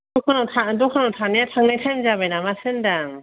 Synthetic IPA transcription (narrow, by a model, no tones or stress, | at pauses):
dɔkʰanawtʰadɔkʰanawtʰanːiatʰaŋnajkʰajmzabajnamasɯndaŋ